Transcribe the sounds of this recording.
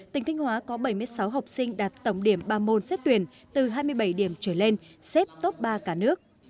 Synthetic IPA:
t̪ï˨˩ŋ̟t̪ʰi˧ŋ̟hwaː˨˦kɔ˨˦ɓə˧˩jmɨ˧əjsa˨˦wɦa˨˩wk͡p̚sï˧ŋ̟ɗaː˨˩t̚t̪ə˧˩wŋ͡mɗi˧˩əmɓaː˧mo˧nsɛ˦˥t̚t̪wi˧˩ən | t̪ɨ˨˩ɦaː˧jmɨ˧əjɓə˧˩jɗi˧˩əmt͡ɕəː˧˩le˧nsɛ˦˥p̚t̪o˦˥p̚ɓaː˧kaː˧˩nɨ˦˥ək̚

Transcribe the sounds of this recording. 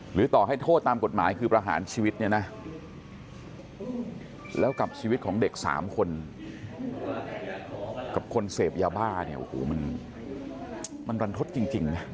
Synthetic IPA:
ɾɯː˩˦t̪ɔː˨˩ha˥˩jt̪ʰoː˥˩t̪ːaː˧mko˨˩t̪̚maː˩˦jkʰɯː˧pɾaː˧ɦa̰ː˩˦nt͡ɕʰiː˧wi˦˥t̪̚ni˥˩na˦˥ʔ | lɛː˦˥wka˨˩p̚t͡ɕʰiː˧wi˦˥t̪̚kʰɔː˩˦ŋde˨˩k̚sa̰ː˩˦mkʰo˧n | ka˨˩p̚kʰo˧nseː˨˩p̚jaː˧baː˥˩ni˥˩ɐʔo̰˨˩ho̰ː˨˩˦ma˧n | ma˧nwa˧nt̪ʰo˦˥t̪̚t͡ɕi˧ŋt͡ɕi˧ŋna˦˥

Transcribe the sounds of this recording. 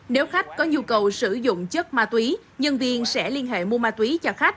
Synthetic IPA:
ne˨˦wxa˦˥jk̟̚kɔ˨˦ɲu˧kə˨˩wsɨ˧˩zʊ̰˧˨ŋ͡mt͡ɕə˦˥k̚maː˧t̪wi˨˦ | ɲə˧nvi˧ənsɛ̰˧˥li˧ənɦḛ˧˨mu˧əmaː˧t̪wi˨˦t͡ɕɔ˧xa˦˥k̟̚

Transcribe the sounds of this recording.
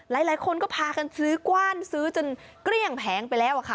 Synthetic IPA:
laː˨˩˦jlaː˨˩˦jkʰo˧nkɔː˥˩pʰaː˧ka˧nsɯː˦˥kwaː˥˩nsɯː˦˥t͡ɕo˧n | kɾi˥˩əŋpʰɛː˩˦ŋpa˧jlɛː˦˥˩wʔa˨˩kʰa˦˥˩

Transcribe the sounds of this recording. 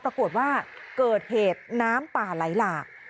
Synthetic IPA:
pɾa˧ku˨˩ət̪̚waː˥˩kɤː˨˩t̪̚heː˨˩t̪̚naː˦˥mpaː˨˩la˨˩˦jlaː˨˩k̚

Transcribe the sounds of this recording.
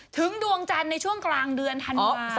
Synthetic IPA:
t̪ʰɯ˩˦ŋdu˧ə˧ŋt͡ɕa˧nːa˧jt͡ɕʰu˥˩əŋklaː˧ŋdɯ˧ənt̪ʰa˧nː˦

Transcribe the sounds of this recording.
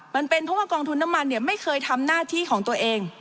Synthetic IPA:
ma˧npe˧npʰɔː˦˥waː˥˩kɔː˧ŋt̪ʰu˧nːa˦˥mːa˧nːi˥˩ɐma˥˩jkʰɤː˧jt̪ʰa˧mnaː˥˩t̪ʰiː˥˩kʰɔː˩˦ŋt̪u˧ɐʔeː˧ŋ

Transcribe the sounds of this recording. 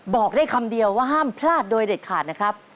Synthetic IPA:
bɔː˨˩k̚da˥˩jkʰa˧mdi˧əwːaː˥˩ɦaː˥˩mpʰlaː˥˩t̪̚doː˧jde˨˩t̪̚kʰaː˨˩t̪̚na˦˥kʰɾa˦˥p̚

